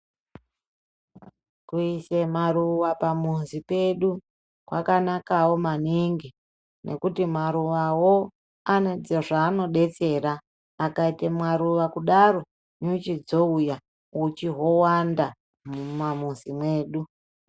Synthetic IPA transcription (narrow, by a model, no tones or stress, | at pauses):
kuise̞maruʋapamunzipe̞ɗu | kwa̰kanakawo̞maniŋɡi | nʔe̞̰kutimaɾuʋawo | aned͡zeʐaːno̞ɗe̞t͡se̞ɾaː | kaitemwaɾuʋakuɗaro̞ | ɲut͡ʃid͡zo̞uja | ut͡ʃiɦo̞wanda | mumamunzimweːɗu